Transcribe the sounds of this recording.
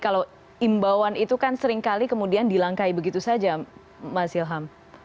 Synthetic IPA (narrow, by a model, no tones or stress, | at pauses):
kala | imbawanit̪ukansəɾɪŋkalikəmudiandilaŋkaibəɡit̪usad͡ʒa | masilɦam